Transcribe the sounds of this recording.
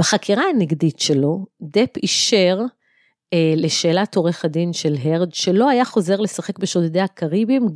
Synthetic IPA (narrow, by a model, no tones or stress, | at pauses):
b̥eχakʰiʁaaneɡditʃe̞lo̞d̪epiʃeʁ | eleʃe̞ːlato̞ʁeχadinʃe̞lɦeʁdʃelo̞ajaχo̞ze̞ʁle̞saχe̞kbeʃodedehakʰaʁibim